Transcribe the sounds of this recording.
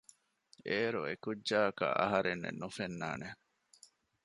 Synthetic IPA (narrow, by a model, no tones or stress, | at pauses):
eːɾuekudːaːkɐ̰ʔɐ̰ɦɐɾenːḛnːufenːa̰ːne